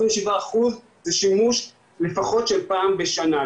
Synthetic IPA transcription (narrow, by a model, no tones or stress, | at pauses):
inmʃivaːχuz | zeʃimuʃ | lefaχo̞tʃelpaːmbeʃana